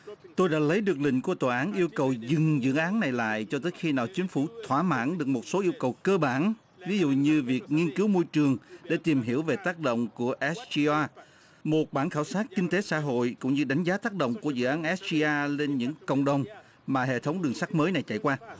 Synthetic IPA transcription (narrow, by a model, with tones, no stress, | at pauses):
t̪o˧jɗa̰ː˧˥lə˨˦jɗɨ˨˩ək̚lï˧˨ŋ̟ku˧˩ət̪waː˨˩ʔaː˨˦nʔi˧əwkə˨˩wzɨ˨˩ŋzɨ̰˧˥˨ʔaː˨˦nnːa˨˩jla̰ː˧˨jt͡ɕɔ˧t̪əː˨˦jxi˧naː˨˩wt͡ɕï˨˦ŋ̟fu˧˩t̪ʰwaː˧˩ma̰ː˧˥nɗɨ˨˩ək̚mo˨˩t̚so˨˦ʔi˧əwkə˨˩wkəː˧ɓaː˧˩n | vi˨˦zṵ˧˨ɲɨ˧vi˨˩ək̚ŋi˧ənkɨ˨˦wmo˧jt͡ɕɨ˨˩əŋɗḛ˧˩˥t̪i˨˩mɦi˧˩əwve˨˩t̪aː˦˥k̚ɗo̰˧˨wŋ͡mku˧˩əʔɛ˦˥si˧ʔaː˧ | mo˨˩t̚ɓaː˧˩nxaː˧˩wsaː˦˥t̚kï˧ŋ̟t̪e˨˦sa̰ː˧˥ɦo̰˧˨jkʊ̰˧˥ŋ͡mɲɨ˧ɗa˨˦jŋ̟zaː˨˦t̪aː˦˥k̚ɗo̰˧˨wŋ͡mku˧˩əzɨ̰˧˨ʔaː˨˦nʔɛ˦˥s̚i˧ʔaː˧le˧nɲɨ̰˧˥ŋkə̰˧˨wŋ͡mɗə˨˩wŋ͡m | maː˨˩ɦḛ˧˨t̪ʰə˨˦wŋ͡mɗɨ˨˩əŋsa˦˥k̟̚məː˨˦jna˨˩jt͡ɕa̰˧˨jkwaː˧